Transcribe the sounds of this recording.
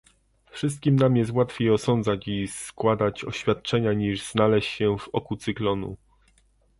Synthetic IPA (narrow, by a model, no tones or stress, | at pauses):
fʂɘst̪̚kʲimnamjɛst̪wat̪fʲejɔsɔnd̪zat͡ɕiskwad̪at͡ɕɔ̰ɕfʲjat̪̚t͡ʂɛɲaɲiʐz̥nalɛɕt͡ɕɕɛvɔkut̪sɨklɔnṵ